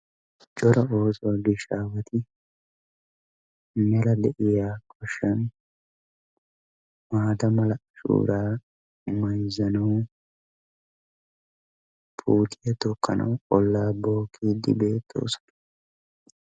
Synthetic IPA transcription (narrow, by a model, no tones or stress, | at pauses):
t͡ʃʼɔɾɐo̞ːsɔɡɪʃaːwɐt̪ɪ | mɐlɐd̪ɛʔɪjaːkʰʼɔʃːɐn | maːt̪ɐmɐlɐʃṵːɾaː | mɐjzɐnɐw | pʰuːt̪ʰɪjɐt̪ɔkːɐnʔɐ̰wkʼɔlːaːbo̞ːkʰːiːd̪ɪ̰be̞ːt̪ʰʼːo̞̰ːsɔ̥nɐ̥